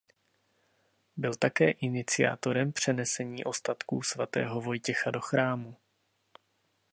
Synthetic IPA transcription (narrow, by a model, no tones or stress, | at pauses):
bɪlt̪akɛːʔɪnɪt͡sɪa̰ːt̪o̞ɾɛmpr̝̥ɛnɛsɛɲiːʔo̞st̪at̪kuːsvat̪ɛ̰ːɦo̞vo̞jcɛxado̞xɾaːmu